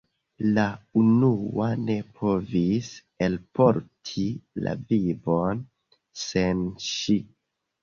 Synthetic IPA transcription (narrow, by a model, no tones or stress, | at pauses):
launuane̞pʰo̞vis | elpo̞ɾtʰila̰vivon | senʃi